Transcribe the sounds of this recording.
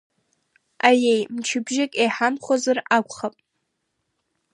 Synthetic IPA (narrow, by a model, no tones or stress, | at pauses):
ajejmt͡ʃʰɪbʒɪkʼejħamχʷazarakʷʰʼχapʼ